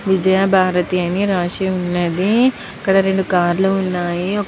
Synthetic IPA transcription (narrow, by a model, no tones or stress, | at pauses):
ʋid͡ʒɐjaːbʱaːɾɐt̪iɐniɾaːʂiunːɐd̪i | ɐkːɐɽɐɾe̞ɳɖukaːɾluːnːaːjiɔ